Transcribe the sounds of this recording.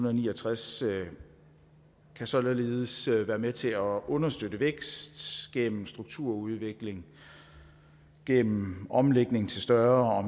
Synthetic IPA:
unð̩ˠniːɒt͡sʰʁas | kʰæsɒ̽lle̝ːðˠəsʋæːɐmet͡sʰe̝æʔɔ̽nɐsd̥ød̥əʋeɡ̥sd̥ɡ̥en̰m̩sd̥ʁuɡ̥̚t͡sʰuɐ̰uðˠʋe̝ɡ̥le̝ŋ | ɡ̥en̰m̩ʔɒ̽mleɡ̥ne̝ŋt͡sʰe̝lsd̥ɶɐɒ̽

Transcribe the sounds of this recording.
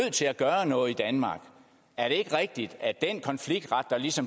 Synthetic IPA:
ð̰ˠt͡sʰe̝læɡ̥ɶːɐnɔ̽ːð̩ˠid̥ænmɑ̈ːɡ̥ | æɐɾe̝e̝ɡ̥əʁɛɡ̥̚d̥id̥æd̥enkʰɒ̽nfliɡ̥̚d̥ʁɑ̈d̥ɐlisɒ̽m

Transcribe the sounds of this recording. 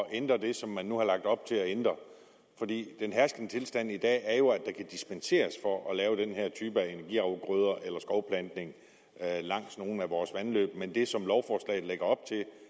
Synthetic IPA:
ɒʔend̥ʁɐd̥e̝sɒ̽mːænːuhɑ̈lɑ̈ɡ̥̚d̥ɒ̽b̥̚t͡sʰe̝ɒend̥ʁɐ | fɒ̽d̥ḭːd̥enɦæɐsɡ̥ənət͡sʰe̝lsd̥æn̰id̥ɛ̰ːɐjo̝æd̥ɑ̈kʰæd̥isb̥ense̝̰ːɐsfɒ̽ʔɒ̽lɛːʊd̥enheɐ̰t͡sʰyːb̥əæe̝næɐɡ̥ḭɑ̈ʊɡ̥ʁøð̞ˠɐʔelɐsɡ̥ɒʊpʰlænd̥ne̝ŋ | lɑ̈ŋ̰sno̝ːn̩æʋɒːsʋænlø̰ːb̥mend̥e̝sɒ̽mlɒʊfɒːslɛ̰ɪð̩ˠleɡ̥ɐɒ̽b̥̚t͡sʰe̝

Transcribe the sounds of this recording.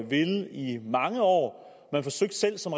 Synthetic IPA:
ʋe̝limɑ̈ŋəɒ̰ː | mænfɒ̽søɡ̥̚d̥sel̰sɒ̽mʁ

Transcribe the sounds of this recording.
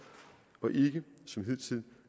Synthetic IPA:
ɒ̽ʔe̝ɡ̥əsɒ̽mɦið̰ˠt͡sʰið̰ˠ

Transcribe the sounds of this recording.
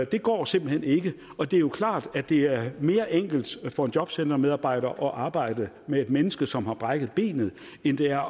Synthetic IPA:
d̥e̝ɡ̥ɒ̰ːsemb̥l̩hen̰e̝ɡ̥əɒ̽d̥e̝jo̝kʰlɑ̰̈ːd̥æd̥e̝æɐme̝ːɐʔeŋ̰ɡ̥l̩d̥fɒ̽e̝ndjɒ̽b̥send̥ɐmeðˠɑ̈ːb̥ɑ̈ɪ̰ɾ̥ɐʔɒ̽ʔɑ̈ːb̥ɑ̈ɪ̰d̥ə | mee̝d̥menəsɡ̥əsɒ̽mhɑ̈b̥ʁäɡ̥ð̩ˠb̥e̝̰ːnð̞̩ˠ | end̥e̝æɐ

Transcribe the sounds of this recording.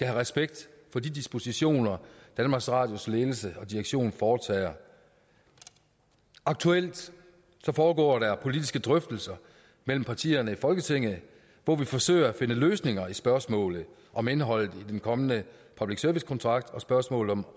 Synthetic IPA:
skæɦæʁɛsb̥eɡ̥̚d̥fɒ̽d̥id̥isb̥o̝siɕo̝̰ːnɐd̥ænmɑ̈ːɡ̥sʁɑ̰̈ːd̥josle̝ːl̩səɒ̽d̥iʁɐɡ̥ɕo̝̰ːnfɒːt͡sʰɛ̰ːɐ | ʔɑ̈ɡ̥̚t͡sʰuel̰d̥ | sɒ̽fɒːɡ̥ɒ̰ːd̥æpʰo̝lid̥isɡ̥əd̥ʁœfd̥l̩sɐ | mel̰m̩pʰɑ̈t͡sʰḭːɐnəifɒ̽lɡ̥ət͡sʰe̝ŋ̰ð̩ˠ | ʋɒʋifɒ̽sø̰ɪ̰ɐæfe̝nəløːsne̝ŋɐisb̥ɶɐsmɔ̰̽ːlð̩ˠ | ʔɒ̽me̝nɦɒ̽l̰ð̩ˠid̥enkʰɒ̽mənəpʰɑb̥liɡ̥sœɐʋiskʰɒ̽nt͡sʰʁɑ̈ɡ̥̚d̥ɒ̽sb̥ɶɐsmɔ̰ːlð̩ˠɒ̽m

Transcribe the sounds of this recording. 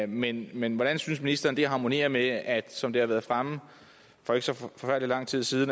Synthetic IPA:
menmenʋɒɾ̥ænsyns̬minisd̥ɐːnd̥e̝ɦɑ̈mo̝nḭːɐmeæd̥sɒ̽md̥e̝hɑ̈ʋæːɐðˠfʁam | fɒ̽e̝ɡə̥sɒ̽fɒ̽fæɐ̰d̥lilɑ̈ŋ̰t͡sʰið̰ˠsiːð̞ˠn̩

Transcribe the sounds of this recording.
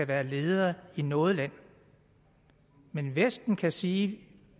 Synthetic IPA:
æʋæːɐle̝ːð̞ˠɐːinɔ̽ːð̞ˠlæn̰ | menʋesd̥n̩kʰæsiː

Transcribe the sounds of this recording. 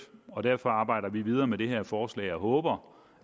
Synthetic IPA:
ɒ̽d̥æɐ̰fɒ̽ɑ̈ːb̥ɑ̈ɪɾ̥ɐʋiʋið̞ˠɐːmed̥e̝ɦeɐ̰fɒːslɛ̰ːɪjɑɦɔːb̥ɐ

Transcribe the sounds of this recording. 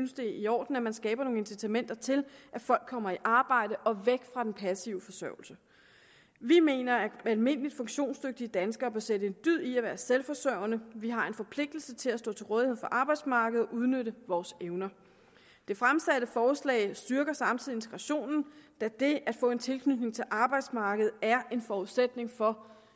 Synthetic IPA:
ynsd̥e̝iɒ̰ːd̥n̩æmænsɡ̥ɛːb̥ɐno̝ːŋe̝nsit͡sʰæmen̰d̥ɐt͡sʰe̝lʔæfɒ̽l̰ɡ̥̚ʰɒ̽m̰ɐiʔɑ̈ːb̥ɑ̈ɪ̰d̥əʔɒ̽ʋeɡ̥fʁɑ̈d̥enpʰæsiʊəfɒ̽sœʊl̩sə | ʋime̝̰ːnɐæælme̝n̰əlid̥fɔ̽ŋɕo̝̰ːnsd̥øɡ̥̚d̥iəd̥ænsɡ̥ɐːb̥æɐseɾəe̝nd̥yð̰ˠiæʋæːɐselfɒ̽sœɐ̰ʊ̰ɐnəʋiɦɑ̈e̝nfɒ̽pʰle̝ɡ̥̚d̥l̩sət͡sʰe̝læsdɔ̰ːt͡sʰe̝lʁɔːðˠihe̝ðˠfɒ̽ʔɑ̈ːb̥ɑ̈ɪd̥smɑ̈ːɡ̥əð̩ˠɒʔuð̞ˠnøɾəʋɒːseʊnɐ | d̥e̝fʁamsæd̥əfɒːslɛ̰ːɪsd̥yɐɡ̥ɐsɑ̈mt͡sʰið̩̰ˠie̝nt͡sʰe̥ɡ̥ʁɑɕo̝̰ːnn̩d̥æd̥e̝æd̥fɔ̰̽ːe̝nt͡sʰe̝lkʰnyd̥ne̝ŋt͡sʰe̝lʔɑ̈ːb̥ɑ̈ɪd̥smɑ̈ːɡ̥əð̞̩ˠæɐʔe̝nfɒuð̩ˠsed̥ne̝ŋfɒ̽

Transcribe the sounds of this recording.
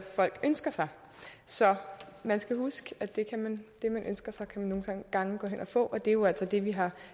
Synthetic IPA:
fɒ̽l̰ɡ̥ønsɡ̥ɐsɑ̈ɪ | sɒ̽mænsɡ̥æhusɡ̥əæd̥e̝kʰæmænd̥e̝mænʔønsɡ̥ɐsɑ̈ɪkʰæmænːo̝ːn̩̥ɑ̈ŋɡ̥ɑ̈ŋəɡ̥ɔ̰̽ːen̰ɒ̽fɔ̰̽ːʔɒ̽d̥e̝jo̝æl̰sɒd̥e̝ʋiɦɑ̈

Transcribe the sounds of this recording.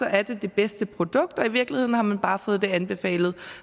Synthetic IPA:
ɒ̽ʔæɐd̥e̝d̥e̝b̥esd̥əpʰʁo̝d̥ɔ̽ɡ̥̚d̥ɒ̽iʋiɐɡ̥lihe̝ð̰nhɑ̈mænb̥ɑ̈ːfɔ̽ːð̩ˠd̥e̝ænb̥e̝fɛ̰ːlð̩ˠ

